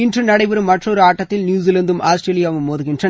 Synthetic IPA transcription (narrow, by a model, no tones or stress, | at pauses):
ɪndrɯnɐɽɐɪʋɐɾɯmːɐʈroːɾɯaːʈːɐt̪ːɪlnjuːz̬ilɐnd̪ɯmʔaːsʈɾeːlɪjaːʋɯmːoːðɯɣɪndrɐ